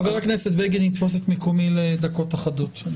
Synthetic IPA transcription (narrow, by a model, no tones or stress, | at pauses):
veʁakneset̪̚beɡenit̪fo̞s̬et̪mekomiled̪ako̞t̪aχad̪ot̪